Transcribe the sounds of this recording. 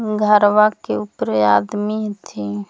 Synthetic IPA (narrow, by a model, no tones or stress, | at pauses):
ɡʱəɾʋakeupɾad̪mit̪ʰi